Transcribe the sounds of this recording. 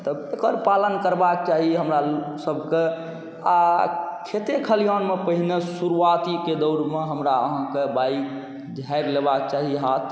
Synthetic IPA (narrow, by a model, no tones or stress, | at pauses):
t̪əbekəɾpalənkəɾbak̚t͡ʃaɦieɦəmɾasəbʱke | akʰet̪ekʰəlijanmepəɦinesuɾuat̪iked̪ɔʊɾmeɦəmɾaəɦãkebaik | d͡ʒʱaeɾlebakt͡ʃaɦiɦat̪ʰ